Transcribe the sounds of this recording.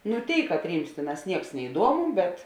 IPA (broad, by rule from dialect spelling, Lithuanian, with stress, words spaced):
nʊ ˈtʲeːɪ kɐtʲˈrʲiːms ˈtʲeːˌnɑːs ˈnʲiɛks nʲɛɪˈduɔmʊ bʲɛt